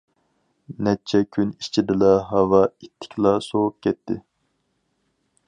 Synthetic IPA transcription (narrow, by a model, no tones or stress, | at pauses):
nɛt͡ʃʰɛkʲʰynit͡ʃʰid̪ɨlˠɑɦɑwɑit̪ʰːɪ̥kʲlˠɑsoʁup̚kʲʰɛt̪ʰːɪ